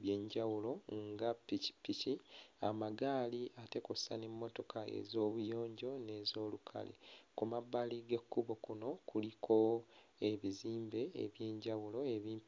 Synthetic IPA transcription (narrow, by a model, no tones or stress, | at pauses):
βje̞ːɲɟawulo̞ŋɡapːici̥piciamaɡaːliʔate̞ko̞sa̰ne̞mːo̞to̞kae̞̰zo̞ːβujo̞ːɲɟo̞ne̞ːzo̞ːlukʰa̰lḛkumaβːaliɡe̞kːuβo̞kuno̞kʰulikʰo̞e̞βiziːmbe̞̰ːβje̞ːɲɟawulo̞eβiːn